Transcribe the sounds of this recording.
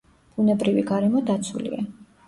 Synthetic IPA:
b̥unɛbɾiviɡaɾɛmɔd̪at̪sʰulḭa

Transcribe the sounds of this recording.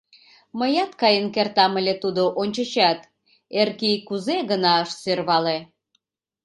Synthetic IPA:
məjɑt̪kɑjənkert̪ɑməlʲet̪ud̪oʔonʲt͡ɕət͡ɕɑt̪ | erkikuzeɣənɑəʃsørβɑle

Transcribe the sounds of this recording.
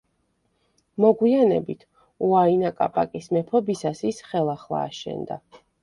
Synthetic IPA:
mɔɡwianɛbit̪ʰ | uainakʼapʼakʼismɛpʰɔbisasisχɛlˠaχlˠa̰ːʃɛ̰nd̪a

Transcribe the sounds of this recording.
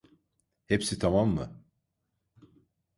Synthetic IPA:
hepsit̪ʰamamːɯ̰

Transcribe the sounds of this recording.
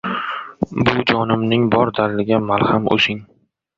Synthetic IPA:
bʊd͡ʒɒnɪmnɪŋbɒɾd̪alːɪɡʲamalˠhamʔo̰ʃɪŋ

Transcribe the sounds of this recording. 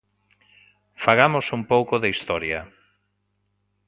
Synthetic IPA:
faɣamosumpowkoðeist̪ɔɾjɐ

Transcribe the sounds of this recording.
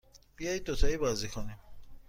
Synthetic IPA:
b̥ijɒːjid̪̚ot̪ʰɒiːbɒːzikʰonim

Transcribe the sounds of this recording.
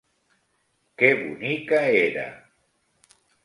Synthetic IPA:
keβṵnikaeɾa̰

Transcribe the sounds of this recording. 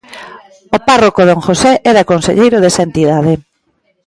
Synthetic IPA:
oparokoðoŋxosɛʔɛɾɐkonsḛʎejɾoðɛsɐent̪iðað̞e

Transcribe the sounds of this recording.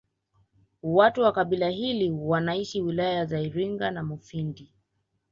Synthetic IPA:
watuwakaɓilahiliwanaiʃiwilajazaiɾiŋɡanamufindi

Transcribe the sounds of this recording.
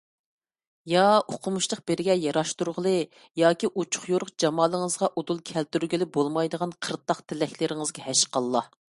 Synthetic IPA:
jɑoqʰʊmuʃlˠəq̚b̥ɪɾɡʲɛjɑɾɑʃt̪uɾʁəlˠɨ | jɑːkʲiʔut͡ʃʰʊ̥χjoɾʊqd͡ʒɑmɑːlˠəŋəzʁɑʔod̪ulˠkʲʰɛlt̪yɾɡʲilɪbolˠmɑjd̪əʁɑnqʰəɾt̪ːɑqt̪ʰɪlɛkʲlɪɾɪŋɨzɡʲɛhɛʃqɑlˠːɑ

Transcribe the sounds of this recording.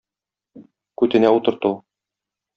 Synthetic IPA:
kʉt̪ɘ̆næut̪ɤ̆ɾt̪u

